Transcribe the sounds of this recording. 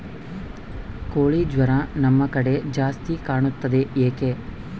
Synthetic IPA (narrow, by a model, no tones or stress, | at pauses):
koːɭid͡ʒʋɐɾɐnɐmːɐkɐɽe̞d͡ʒaːst̪ikaːɳut̪ːɐd̪eʔeːke